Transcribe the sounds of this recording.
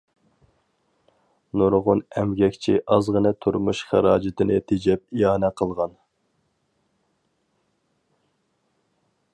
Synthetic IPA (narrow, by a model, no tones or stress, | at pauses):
nuɾʁʊnɛmɡʲɛkʲt͡ʃʰiʔɑzʁənɨt̪ʰuɾmuʃχæ̰ɾɑːd͡ʒɪt̪ɪnɪt̪ʰed͡ʒɛp̚ijɑːnɛqʰəlˠʁɑn